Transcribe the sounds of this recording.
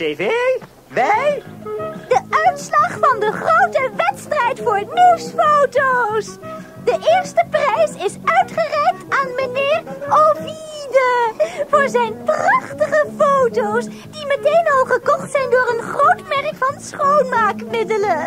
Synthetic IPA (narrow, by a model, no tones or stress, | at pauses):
eve | ʋɛj | dəœɥtslɑχfɑndəχrowtəʋɛtstrɛjtfʊːɹniwsfowtows | dəʔɪːɹstəprɛjsɪsœɥtχərɛjk̚taːnmənɪːromidəvʊːɹzɛjnprɑχtəχəfowtows | dimətejnɑlˠχəkɔχtsɛjndʊːɾənχrowtmɛrkfɑnsχownmaːkmɪdələ